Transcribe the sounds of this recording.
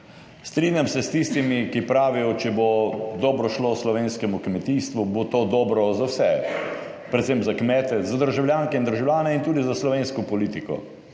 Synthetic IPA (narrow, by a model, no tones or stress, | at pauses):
st̪ɾiːnjamsɛst̪ist̪imikipɾaːʋijɔt͡ʃɛbod̪ɔːbɾɔʃloslɔʋeːnskɛmukmɛt̪iːst̪ʋubot̪oːd̪ɔːbɾɔzawsɛ | pɾɛt̪sempzakmɛːt̪ɛzad̪əɾʒawljaːŋkɛind̪əɾʒawlʲjaːnɛint̪uːd̪izaslɔʋeːnskɔpɔliːt̪ikɔ̰